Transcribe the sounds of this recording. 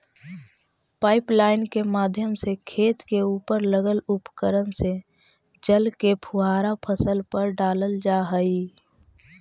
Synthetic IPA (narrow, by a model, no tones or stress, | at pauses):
paːɪplaːɪnkemaːd̪ʱjəmsekʰeːt̪keuːpəɾləɡəlʊpəkəɾənse | d͡ʒəlkepʰʊɦaːɾapʰəsəlpəɾɖaːləld͡ʒaːɦəi